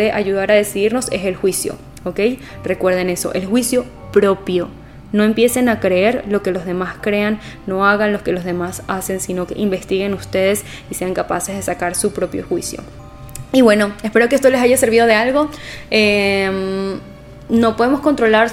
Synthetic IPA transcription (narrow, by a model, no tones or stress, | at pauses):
eʔaʝuðaɾaðe̞siðiɾno̞se̞selxwisjo̞̰ | oke̞j | re̞kwe̞ɾð̞ene̞so̞̰ʔe̞lxwisjo̞ | pɾo̞pjo̞ | no̞e̞mpje̞se̞nakɾeeɾlo̞kelo̞zðe̞maskɾe̞anː | o̞aɣanlo̞ske̞lo̞zðe̞masase̞nsino̞ke̞ʔimbe̞st̪iɣe̞nust̪e̞ðe̞s | ise̞aŋkapase̞zð̞e̞sakaɾsupɾo̞pjo̰xwisjo̰ | iβwe̞no̞espe̞ɾokeest̪o̞lesaʝase̞ɾβiðo̞ðealɣo̞em | no̞poðemo̞sko̞nt̪ɾo̞laɾ